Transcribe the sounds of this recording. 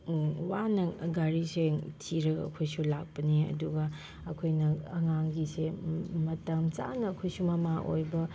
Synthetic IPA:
wanɐɡaɾisetʰiɾɐɡɐ̰ɐ̰kʰojsulak̚pɐniɐ̰duɡɐ | ɐkʰojnɐɐŋaŋɡisemɐtɐmt͡ʃa̰nɐːkʰojsumɐmaʔo̰jbɐ

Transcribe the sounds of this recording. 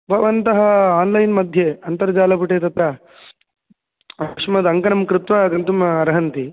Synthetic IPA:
bʱɐʋɐnt̪ɐɦɐaːnlɐjnmɐd̪ʱjeɐnt̪ɐɾɐd͡ʒaːlɐpuʈeːt̪ɐt̪ɾɐ | ɐkʂmɐd̪ɐŋkɐnɐmkɾut̪ʋaːɡɐnt̪umɐɾɐɦɐnt̪i

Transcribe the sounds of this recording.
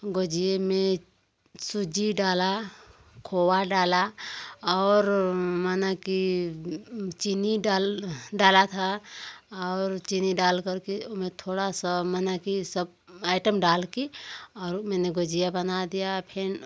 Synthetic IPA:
ɡoːd͡ʒijemẽ | sud͡ʒiɖaːla | kʰoːwaɖaːlaɔːɾmanaki | t͡ʃiniɖaːlɖaːlat̪ʰa | ɔːɾt͡ʃiniɖaːlkəɾkiomẽt̪ʰoːɽasamənakisəb̚ | aːɪʈəmɖaːlkiɔːɾmɛːneɡoːd͡ʒijabənad̪ijapʰɪn

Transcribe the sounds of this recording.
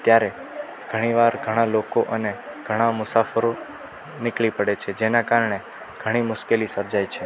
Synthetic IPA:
t̪jaɾe | ɡ̥ʱəɽ̃iʋaɾɡʱəɽ̃alokoʔəneɡ̥ʱəɽ̃amʊsafəɾo | nɪkɭipəɽet͡ʃʰed͡ʒenakaɾɳ̃e | ɡ̥ʱəɽ̃imʊʃkelisəɾd͡ʒajt͡ʃʰe

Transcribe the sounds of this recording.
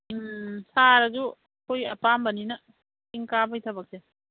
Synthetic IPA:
saɾɐd͡ʒu | kʰojɐpambɐninɐ | iŋkabajtʰabɐk̚se

